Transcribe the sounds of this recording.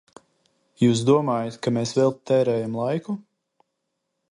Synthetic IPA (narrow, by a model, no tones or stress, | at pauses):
juːsd̪uɔmaːjat̪kameːsvɛlˠt̪ɛːɾɛːjamlˠajku